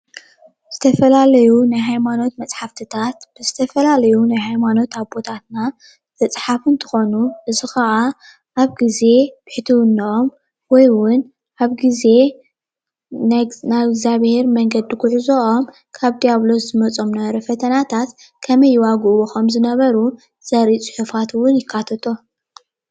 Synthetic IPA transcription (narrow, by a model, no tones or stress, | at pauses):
z̥ɨt̪ʰɐfɐlalɐjunajɦajmano̞t̪mɐt͡sʼħaft̪ʰɨt̪ʰat̪b̥ɨzɨt̪ʰɐfɐlalɐjunajɦajmano̞t̪aβbo̞t̪ʰat̪na | mɐt͡sʼħafɨnt̪ʰɨ̥xo̞nuʔɨzixɐʔa | ʔaβɡize̞b̥ɨħt̪ʰiwɨnːɐʔom | wɔjwʊn | ʔaβɡize̞ | nanajɡzaβhe̞ɾmɐŋɡɐd̪ikʰʊħzoʔom | kʰaβd̪ijaβlo̞szɨmɐt͡sʼo̞mnɐβɐɾɐfɐt̪ʰɐnat̪ʰat̪ | kʰɐmɐjːɪwaɡuʔwoxomzɨnɐβɐɾu | z̥ɐɾit͡sʼɨ̥ħufat̪wʊnjɪkʰːat̪ʰɐt̪ʰo